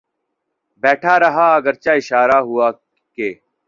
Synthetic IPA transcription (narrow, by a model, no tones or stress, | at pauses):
bɛːʈʰaːɾɐɦaːɐɡəɾt͡ɕaːɪʃaːɾaːɦuaː | keː